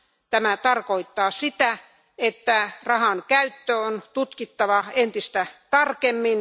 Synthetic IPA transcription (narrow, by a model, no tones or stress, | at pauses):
t̪æmæt̪ɑrkoit̪ːɑːsit̪æ | et̪ːærɑhɑnkæyt̪ːøont̪ut̪kit̪ːɑʋɑent̪ist̪æt̪ɑrkemːin